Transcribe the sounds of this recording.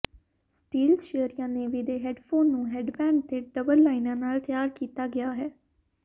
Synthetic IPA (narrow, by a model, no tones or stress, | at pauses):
sʈiːlʃeəɾijãːneːʋiːd̪eːɦɛːɖpʰoːnːũːɦeːɖbɛ̃ːɳɖ̚t̪ʰeːɖəbəlːaːinãːnaːlt̪ʰɪjaːɾkiːt̪aːɡɪaːɦɛː